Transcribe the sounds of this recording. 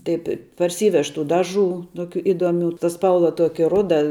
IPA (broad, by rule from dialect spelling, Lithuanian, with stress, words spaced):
tɐɪpʲ ɪ pɐrʲˈsʲiːʋʲɛʃ tuː ˈdɑːˌʒuː ˈtoːkʲuː ˈɪdoːˌmʲuː tɐ ˈspɐlˠʋɐ ˈtuɔkʲɪ ˈrʊdɐ